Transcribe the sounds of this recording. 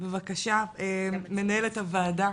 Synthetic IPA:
bevakaʃaeme̞nae̞lethavaːda

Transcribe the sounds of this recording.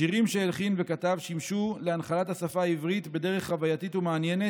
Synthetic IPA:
iʁimʃeːlχinve̞katavʃimʃuleanχalathasafaːivʁitbe̞deʁeχχavajatitumeanje̞ne

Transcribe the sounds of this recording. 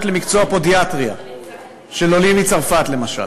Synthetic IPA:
tle̞mikt͡soapo̞djatʁia | ʃe̞lolimit͡saʁfatle̞maʃa̰l

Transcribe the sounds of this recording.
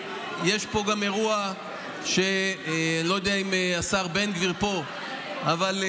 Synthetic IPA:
jeʃpo̞ɡame̞ʁua | ʃe̞ | lo̞jod̪eaimeasaʁbe̞nɡviʁpo̞ | aval

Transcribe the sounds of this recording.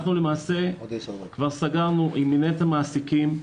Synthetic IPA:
χnulemaːse̞kvaʁsaɡaʁnuʔiminet̪amaːsikim

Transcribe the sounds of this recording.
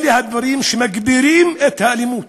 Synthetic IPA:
lihad̪wɑɾiːmʃɪmaɡbɪɾiːmʔɪt̪halɪmuːt̪

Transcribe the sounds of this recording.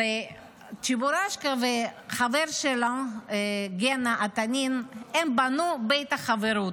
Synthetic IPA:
e | t͡ʃibuɾaʃkaveχaveɾʃela | ɡenaʔat̪aninembanubejt̪aχaveɾu

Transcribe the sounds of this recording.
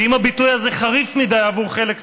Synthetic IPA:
imabitujaze̞χaʁifmid̪ajavuʁχe̞lek

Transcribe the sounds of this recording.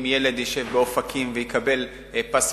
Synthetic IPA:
mjele̞d̪jiʃe̞vbeofakʰimvejikabe̞l | pas

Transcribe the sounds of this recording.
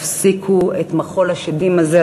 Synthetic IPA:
fsikʰuet̪maχo̞laʃedimaze

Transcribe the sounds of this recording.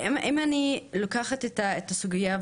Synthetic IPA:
mʔimanilokaχatetaet̪asuɡija

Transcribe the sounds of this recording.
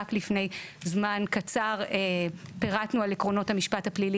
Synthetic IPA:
aklifne̞jzmankat͡saʁepeʁatnualekʁo̞no̞thamiʃpathaplili

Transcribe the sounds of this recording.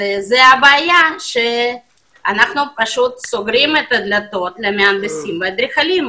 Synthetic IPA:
ezɛabeajaʃe | anaχnupaʃut̪soɡɾimet̪ɐd̪lat̪o̞t̪lemeanbesimvead̪ɾiχalim

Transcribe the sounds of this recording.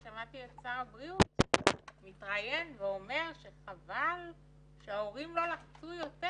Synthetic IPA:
ʃamat̪iett͡saʁabʁiutmit̪ʁaje̞nveo̞me̞ʁʃe̞χaval | ʃeaoʁimlo̞laχt͡sujo̞te

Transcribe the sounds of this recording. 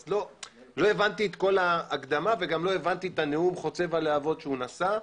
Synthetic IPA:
zlo̞ | lo̞e̞vant̪iet̪ko̞laːkd̪amave̞ɡamlo̞e̞vant̪iet̪aneumχo̞t͡se̞valeavo̞d̪ʃeunasa

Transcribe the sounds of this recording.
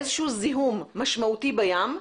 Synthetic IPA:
zʃuzɪɦuːmːaʃmaʔt̪iːbajaːm

